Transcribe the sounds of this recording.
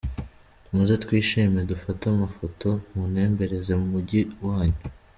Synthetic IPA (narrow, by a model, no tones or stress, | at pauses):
muzetwiːʃime̞dufatamafo̞to̞mune̞ːmbe̞ɾe̞ze̞mumuɟiwaːɲu